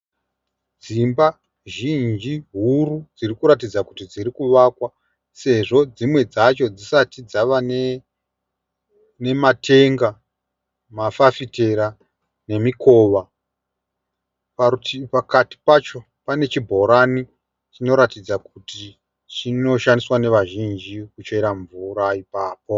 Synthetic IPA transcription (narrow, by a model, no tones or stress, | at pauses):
d͡zimba | ʒind͡ʒiɦurud͡zirikuɾat̬id͡zakutid͡ziɾikuʋakwa | se̞ʐo̞d͡zimwe̞d͡zat͡ʃo̞d͡zisatid͡zaʋane | ne̞matʰe̞ŋɡa | mafafite̞ɾa | ne̞miko̞ːʋa | paipakati̥pat͡ʃo̞ | pane̞t͡ʃibʱo̞ɾani | t͡ʃino̞ɾatid͡zakuti | t͡ʃino̞ʃandiswane̞ʋaʒind͡ʒikut͡ʃeiɾaɱvuɾaipaːpo̞